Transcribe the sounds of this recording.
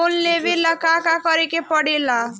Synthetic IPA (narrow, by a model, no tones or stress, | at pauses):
onlebelakakakʌɾekepɔɽela